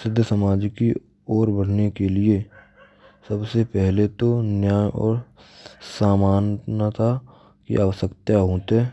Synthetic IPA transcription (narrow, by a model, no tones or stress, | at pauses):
sɪd̪ʱːsəmaːd͡ʒki | ɔːɾbəɽ̤nekelɪe | səbsepɛɦlet̪onjaːjʔɔ̰ːɾ | saːmaːnnat̪ʰa | kḭʔaʋəsəkt̪jaɦoːt̪ɦɛː